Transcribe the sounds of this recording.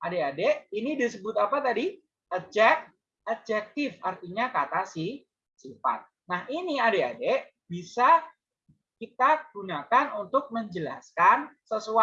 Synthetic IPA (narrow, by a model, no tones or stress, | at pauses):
ʔadeadeinidisəbʊt̪apat̪adi | ʔəd͡ʒɛk̚ | əd͡ʒɛk̚t̪ɪfart̪iɲakat̪asih | sifa̰t̪̚ | nahiniadea̰de | bisa | kit̪aɡ̥unakanunt̪ʊk̚məɲd͡ʒəla̰skansəsua